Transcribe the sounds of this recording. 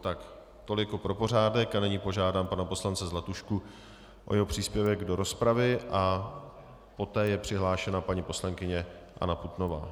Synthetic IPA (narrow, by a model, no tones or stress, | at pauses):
t̪ak | t̪o̞lɪkopɾo̞po̞r̝aːdɛkanɛɲiːpo̞ʒaːdaːmpanapo̞slant͡sɛzlɛt̪uʃku | ʔo̞̰jɛɦopr̥iːspjɛvɛɡdo̞ɾo̞spɾavɪʔa | po̞t̪ɛːjɛpr̝̥ɪɦlaːʃɛnapaɲipo̞slaŋkɪɲɛʔa̰naput̪no̞va̰ː